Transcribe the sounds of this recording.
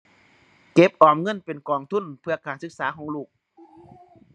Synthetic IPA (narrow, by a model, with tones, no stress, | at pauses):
ke˧˦˥p̚ʔɔː˨˩mŋɤ˧˥˨npe˨nkɔː˨˩ŋt̪ʰu˧˥˨npʰɯ˧ɐkaː˨˩nsɯ˧k̚saː˨˦kʰɔː˨˦ŋluː˨˩k̚